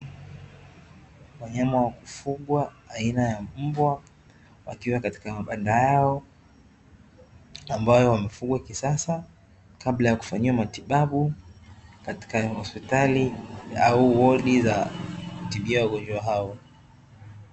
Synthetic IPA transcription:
waɲamawaku̥fuɠwa | ainajam̩bwa | wa̰kiwakati̥kamaɓandajaɔ | ambajɔwamɛfuɡwakisasa | kaɓlajaku̥faɲiwamatiɓaɓu | kati̥kahɔspitaliauwɔɗizakutiɓiawaɡɔnd͡ʒwaɦaɔ

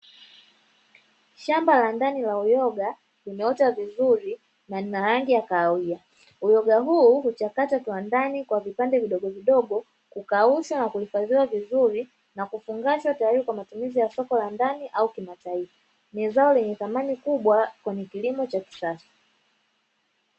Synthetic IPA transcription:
ʃambalandanilaujɔɡa | limɛɔtavizuɾi | naninaɾaŋɡijakaːwia | ujɔɡaɦuːhut͡ʃakatatwandanikwavipandɛviɗɔɠɔviɗɔɡɔ | kukauʃanakuhifaðiwavizuɾi | nakufuŋɡaʃwatajaɾiɾikwamatumizijasɔkɔlandaniʔaukimataifa | nizaɔlɛɲɛθamanikuɓwakwɛɲɛkilimɔt͡ʃaki̥sasḁ

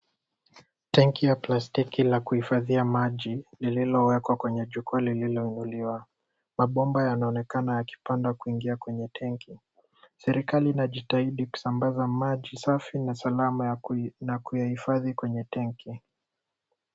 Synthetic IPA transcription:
tɛŋkijaplastikilakuhifaðiamaʄilililɔwɛkwakwɛɲɛʄukualililɔinuliwa | maɓɔmbajanaɔnɛkanajaki̥pandakuiŋɡiakwɛɲɛtʰɛŋki | sɛɾikaliːnaʄitaiɗiku̥sambazamaʄisafinasalamanakujahifaðikwɛɲɛtɛŋki

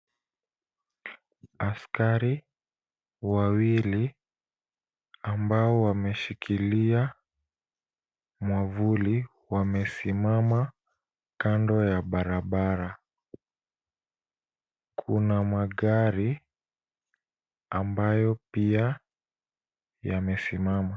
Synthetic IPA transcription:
askaɾi | wawili | mbaɔwamɛʃikʰilia | mwavuli | wamɛsimama | kandɔjaɓaɾaɓaɾa | kʰunamaɠaɾi | ambajɔpia | jamɛsimama

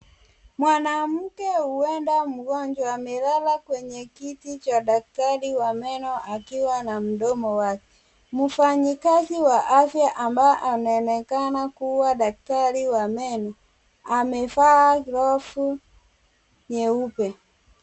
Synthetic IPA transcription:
mwanam̩kɛuɛndam̩ɡɔɲd͡ʒwamɛlalakwɛɲɛkitit͡ʃadak̚taliwamɛnɔʔakiwanam̩dɔmɔwakɛ̥ | mufaɲikaziwaʔafjaʔambaʔanaɛnɛkanakuwadaktaɾiwamɛnɔ | amɛfaaklɔfu | ɲɛupɛ

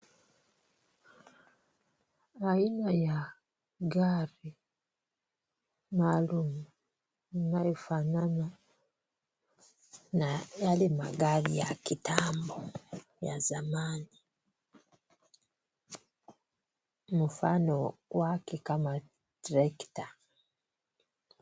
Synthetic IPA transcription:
ainaja | ɡaɾi | malumu | najifanana | najalimaɡaɾijakitʰaːmbo | ja̰zamaːni | mufa̰nowakekama | diɾeki̥ta

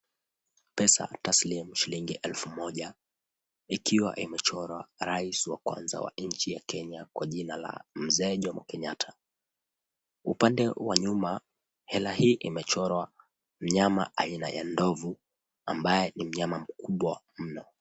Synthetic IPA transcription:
pɛsa̰taslimuʃiliŋɡiʔɛlfumɔʄa | ikʰiwa̰ʔimɛt͡ʃɔɾwa̰ɾaisiwakwa̰nza̰wa̰ɲ̩t͡ʃijakɛɲakwʔaʄinala̰m̩zɛːʄɔmakɛɲatʰḁ | upandɛwaɲuma | hɛlaɦiːʔimɛt͡ʃɔɾwa | m̩ɲama̰ʔaina̰ja̰ndɔvu | ambajɛnim̩ɲamam̩kʰuɓwa | m̩nɔ

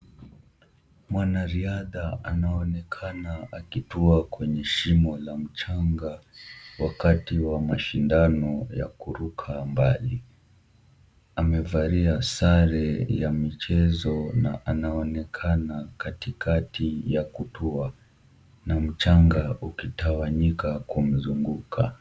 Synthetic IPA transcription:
mwanaɾiaðaanaɔnɛkʰanaakituakwɛɲɛʃimɔlam̩t͡ʃaŋɡawakatiwamaʃindanɔja̰kuɾukʰambali | amɛvaɾiasaɾɛjamit͡ʃɛzɔna̰ʔanaɔnɛkʰanakatikʰatijakutʰua | nam̩t͡ʃaŋɡaukitawaɲikakum̩zuŋɡukʰa

